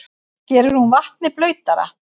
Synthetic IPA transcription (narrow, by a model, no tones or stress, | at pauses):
cɛːɾʏɾhunvaht̪̚nɪplœːɥt̪aɾa̰